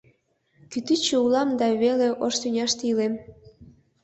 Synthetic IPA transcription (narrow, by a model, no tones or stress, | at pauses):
kyt̪it͡ɕeulɑmd̪ɑβeleʔoʃt̪ynʲɑʃt̪ilem